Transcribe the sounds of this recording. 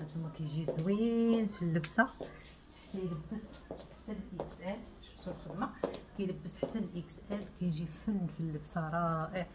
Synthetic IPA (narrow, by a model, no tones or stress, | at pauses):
æt̪umːækæjʒizwinfilːəbsa | ħt̪ːæjləbːəsħat̪ːænəlʔəksʔæl | ʃt̪ullxəd̪makæjləbːəsħat̪ːænəlʔəksʔælkæjʒifənːfilːəbsaɾˤɑʔəʕ